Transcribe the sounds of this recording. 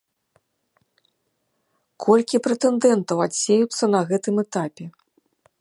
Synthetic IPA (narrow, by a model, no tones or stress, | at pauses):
kʰɔlʲkʲipɾɛt̪ɛnd̪ɛnt̪ɐwasʲːejut̪sːɐnɐɣɛt̪ɨmɛt̪apʲɛ